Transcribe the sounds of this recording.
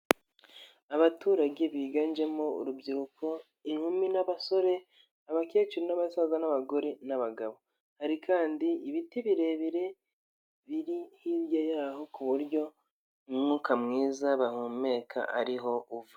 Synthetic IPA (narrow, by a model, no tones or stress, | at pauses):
aβatuːɾaɟe̞βiːɡand͡ʒe̞moṵɾubɟiɾukʰo̞ | iŋhuminaβaso̞ɾe̞ | aβake̞ːt͡ʃuɾenaβasazanaβaɡo̞ɾe̞naβaɡaβo̞ | haɾikʰaːndiːβitiβiɾe̞βiɾe̞ | βiɾihiβjajaɦo̞kuβuɾɟo̞ | mŋukamŋiːzaβahume̞ːkʰa̰ʔa̰ɾiɦo̞uva